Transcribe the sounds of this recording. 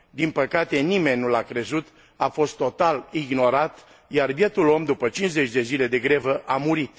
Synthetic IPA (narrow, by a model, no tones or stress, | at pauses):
d̪inpəkat̪e̞nime̞nʲːulakɾe̞zut̪ | afo̞st̪ːo̞t̪aliɡno̞ɾat̪ | jarvjet̪ulo̞md̪upət͡ʃinze̞t͡ʃʲd̪e̞zile̞d̪e̞ɡɾevəʔamuɾit̪